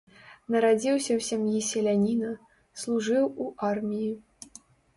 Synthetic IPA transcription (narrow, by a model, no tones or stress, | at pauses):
nɐɾad͡zʲiwsʲɐwsʲamjisʲɛlʲanʲinɐ | slˠuʐɨwuʔarmʲiji